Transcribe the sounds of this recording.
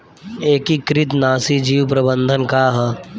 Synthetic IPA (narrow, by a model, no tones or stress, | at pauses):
eːkikɾɪt̪naːsid͡ʒiːwpɾɐbə̃nd̪ʱənkaːɦə